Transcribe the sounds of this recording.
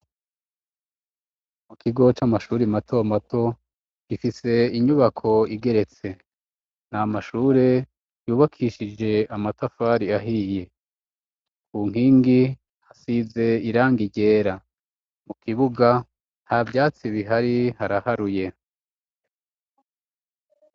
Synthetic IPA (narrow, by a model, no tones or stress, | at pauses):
mukʰiɡo̞t͡ʃamaʃuːɾimatʰo̞matʰo̞ | ɡ̥ifise̞iɲuβakʰo̞iɡe̞ɾe̞t͡se̞ | n̥amaʃuːɾe̞ | juːβakʰiːʃid͡ʒe̞amatafaːɾiaɦije̞ | kʰuŋ̥hiːŋɡi | hasize̞iɾaːŋɡiɟe̞ːɾa | mukiβuɡa | havjaːt͡siβiɦaɾihaɾahaɾuje̞